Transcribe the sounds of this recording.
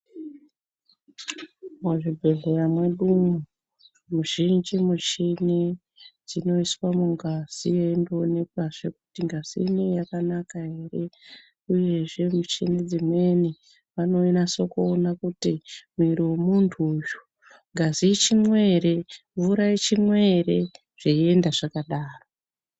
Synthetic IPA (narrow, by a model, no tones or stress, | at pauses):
muʐibʱeɮojamweɗumu | muʒind͡ʒimut͡ʃini | d͡zino̞iswamuŋɡaz̥ijendone̞k̚waʐe̞kutiŋɡaz̥ḭnejakanakaɦe̞re̞ | uje̞ʐe̞mut͡ʃined͡zimwe̞ne | ʋano̞inaso̞koːnakutimwiɾiwomuntʰuːju | ŋɡazit͡ʃimwe̞ɾe̞vuɾait͡ʃimwe̞re̞ | ʐ̥ie̞ndaʐakaɗaːro